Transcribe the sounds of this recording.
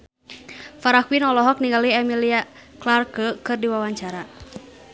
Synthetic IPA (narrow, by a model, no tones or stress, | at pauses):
faɾakwinɔlɔɦɔk̚niŋɡaliɛmilia | klarkəkɨrdiwawaɲt͡ʃaɾa